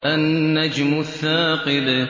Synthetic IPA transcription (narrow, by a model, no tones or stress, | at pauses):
ʔanːad͡ʒmʊθaːqɨd̪